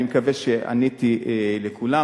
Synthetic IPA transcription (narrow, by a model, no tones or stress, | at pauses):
imekaveʃea̰nit̪ielekʰula